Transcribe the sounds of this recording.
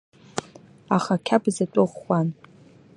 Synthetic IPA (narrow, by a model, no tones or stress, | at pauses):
aχakʲʰabzatʷʼʊʁːʷan